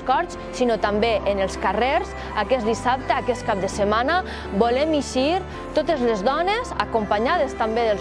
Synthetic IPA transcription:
kɔɾs | sinot̪ambeʔənəlˠskareɾz | akɛzd̪isap̚t̪əakɛst̪̚kap̚d̪əsəmanə | bolɛmiʃiɾ | t̪ot̪əzlezðɔneza̰kumpaɲaðəst̪ambeðəl

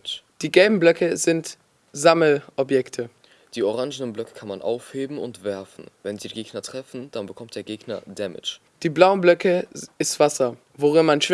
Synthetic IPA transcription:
d̥iːɡɛlbm̩blœkəzɪnt | zaml̩ʔɔpjɛktʰə | d̥iːoʁaŋʒənənblœkʰə̥kʰanmanʔa̰ʊfheːbm̩ʊ̰ntv̥ɛɐfn̩vɛnziːɡeːɡnɐtʁ̥ɛfn̩d̥anbəkʰɔmt̚d̥eːɐɡeːɡnɐ̰dɛmɪ̰t͡ʃ | d̥iːblaʊənblœkəɪstv̥asɐ | voʁɪnmanʃ

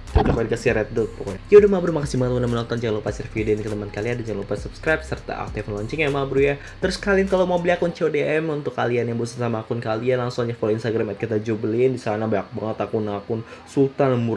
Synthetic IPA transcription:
udapadikasiɾɛt̪̚dʊt̪̚pukijaudahmabɾumakasimaŋət̪mundamənɔnt̪ɔnd͡ʒaŋalopasɛrfidenkət̪əmankaliandad͡ʒaŋlopat̪supskɾajp̚sərt̪a̰ʔa̰k̚t̪iflɔɲt͡ʃɪŋjamabɾuja | t̪əɾʊskalinkalomobiliakʊnt͡ʃeodeɛmunt̪ʊkːalianjaŋbusḁt̪samaːkʊnkalianlaŋsuŋɲafoloinst̪aɡɾamɛt̪̚kit̪ad͡ʒubəlindisanabaak̚baŋət̪akʊnakʊnsult̪anmʊr

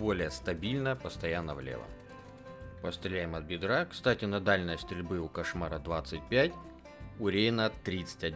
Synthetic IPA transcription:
bo̞lʲɪjəst̪ɐbʲilʲnəpəst̪ɐjanːəvlʲḛvə̰ | pəst̪ɾʲɪlʲæjɪmɐt̪̚bʲɪd̪ɾakst̪atʲɪnɐd̪alʲnəjəst̪ɾʲɪlʲbɨʊkɐʂmaɾəd̪vat̪sɨt̚ʲpʲætʲ | ʊɾʲejɪnət̪ɾʲit̪sɨ̥tʲɐdʲ

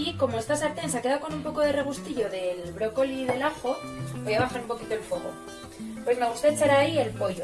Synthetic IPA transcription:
iko̞moest̪asaɾt̪enseke̞ðako̞numpo̞ko̞ðe̞re̞ɣ̞ust̪iʝo̞ðe̞lβɾo̞ko̞liðe̞laxo̞ojaβaxanumpo̞kit̪o̞elfwe̞ɣ̞o̞̰ | pwe̞zmeɣust̪aet͡ʃaɾaie̞lpo̞ʝo

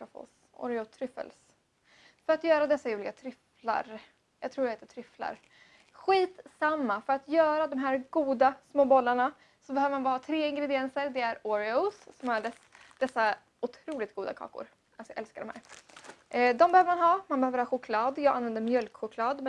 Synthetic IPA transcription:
ɾɔfɔ̰s | ɔ̰ɾɪot̪ʰɾʏfə̰ls | fœɾat̪jœːɾad̪ɛsːajuːlɪɡat̪ʰɾʏfla̰ɾ | jɑ̰ːɡt̪ʰɾuːɖɛhɛːt̪ət̪ʰɾʏfla̰ɾ | ɧiːt̪samːafœɾat̪jœːɾad̪ɔmɦæːɾɡuːd̪asmoːbɔlːaɳa | sɔbɛhøːvəɾmanvəhɑːt̪ʰɾeːɪŋɡɾɛd̪ɪɛnsəɾd̪ɛæɾɔɾɪosːɔmæɖɛsd̪̥ɛsːa | ʊt̪ʰɾuːlɪt̪̚ɡuːd̪a̰kʰɑ̰ːkʊ̰ɾ | ʔalsɔjʔɛlskadɖɔmhæ̰ːɾ | d̪ɔmbɛhøːvəɾmanɦɑːmanbɛhøːvəɾhɑːɧʊkʰlɑːd̪jɑːɡanvɛnd̪əɾmjœlkɧʊkʰlɑːd̪mɛ

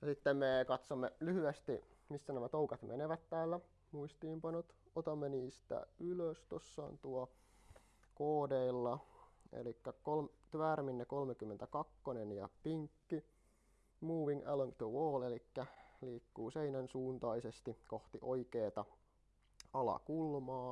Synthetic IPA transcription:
jɑsit̪ːemmekɑt̪somːelyhyest̪imisːænæmæt̪oukɑt̪mʔḛneʋæt̪tæːlːæ | muist̪iːmpɑnot̪ | ot̪ɑmːeniːst̪æ̰ʔyløst̪osːɑ̰ːnt̪uɑ | koːdeilːɑḛlikːækolmt̪ʋærminːekolmekymːent̪ækɑkːonenjɑ̰piŋkːi | muːʋiŋæ̰ləŋt̪əwoːlelikːæliːkːuːseinænsuːnt̪ɑisest̪ikoht̪iʔoikeːt̪ɑ | ɑlɑ̰kulmɑː

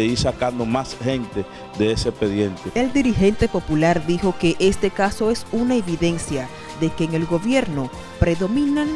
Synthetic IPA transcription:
iɾsakand̪o̞mashẽ̞nt̪e̞ | ðeesepeðjent̪eeld̪iɾixe̞nt̪e̞po̞pulaɾd̪ixo̞ke̞ʔe̞st̪e̞kaso̞e̞sunae̞βiðe̞nsja | ðe̞ke̞ːŋe̞lɡo̞βje̞ɾno̞ | pɾe̞ðo̞mĩnaŋ

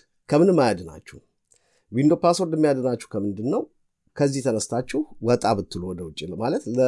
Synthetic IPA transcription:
kʰəmɨnɨmːajad̪ɨna̰t͡ʃːuh | wind̪oplasoɾd̪ɛmːijad̪ɨnat͡ʃːuhkʰəmɨnd̪ɨnːəw | kʰəzːiht̪ʰənəst̪ʰat͡ʃːɪhwɔt̪ʼaβɨt̪ʰːɨlowɔd̪əwʊt͡ʃʼːilmalət̪lə

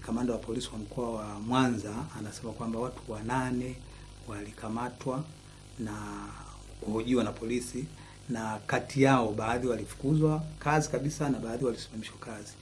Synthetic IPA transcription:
kamandawapɔlisiwam̩kʰɔawamwanzaːnasɛmakwambawatʰu̥wananɛ | walikʰamatwa | na | kuhɔʄiwanapʰɔlisi | nakatijaɔɓaːðiwalifu̥kuzwakazikaɓisanaɓaːðiwalisi̥mamiʃwakazi

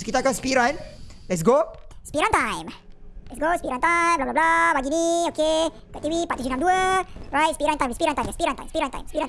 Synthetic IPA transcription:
sokit̪akãnspiɾãn | lɛtsɡospiɾãnt̪ãjmlɛtsɡospiɾant̪aj̃mblablablabaɡinioke | kɔʔt̪ivipat̪isənãmduəɹajt̚spiɾãnt̪ãj̃mspiɾãnt̪ajmaspiɾãnt̪ã̰jmspiɾãnt̪ã̰jmspiɾãn

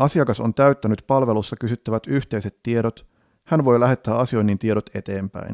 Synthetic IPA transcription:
ʔɑsiɑkɑso̞nt̪æyt̪ːænyt̪pɑlʋe̞lusːɑkysyt̪ːæʋæt̪yht̪e̞jse̞t̪ːie̞ɾot̪ | hænʋo̞jlæɦe̞t̪ːæːɑsio̞jnːint̪ie̞ɾot̪e̞t̪e̞ːmpæ̰jn

